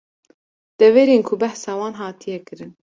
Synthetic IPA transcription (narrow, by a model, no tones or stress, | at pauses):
d̪̥ɛveːɾeːnkʰʊbæhsɑːwɑːnɦɑːt̪ʰijɛkɨɾɨn